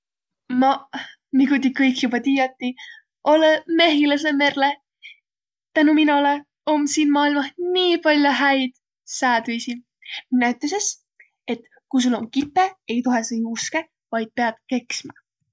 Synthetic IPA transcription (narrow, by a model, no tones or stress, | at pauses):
mɑ | miɡut̪ʲikːɤjkjubɑt̪ijot̪ːi | ʔoleme̞ɦilɑs̬eme̞rle | t̪ænuminɑle | omsiːnmɑːilmɑsniːpɑlʲjoɦæjd̪̥ | sæːd̪yjsi | minːæyt̪ːˑeses | e̞t̪ | kujs̬ulːo̞nkipːee̞jt̪uɦesinuske | vɑjd̪̥̚peɑd̪̥ke̞ksmɑ